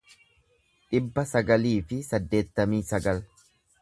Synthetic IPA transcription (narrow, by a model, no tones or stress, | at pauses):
ᶑɪbːɐsɐɡɐliːfɪsɐd̪ːe̞ːt̪ːɐmiːsɐɡɐl